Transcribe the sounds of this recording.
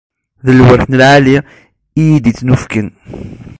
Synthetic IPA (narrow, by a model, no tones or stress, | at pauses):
ðəlːwəɾθnəlʕali | ijid̪it͡sːnufkən